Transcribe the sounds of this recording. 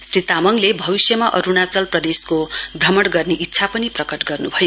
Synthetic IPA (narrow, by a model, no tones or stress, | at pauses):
srit̪amʌŋlebʱʌβisjʌmaʔʌ̰ɾunat͡sʌlprʌd̪eskobrʌmʌɽɡʌrneʔitːsʰapʌniprʌkʌʈɡʌrnubʱʌjo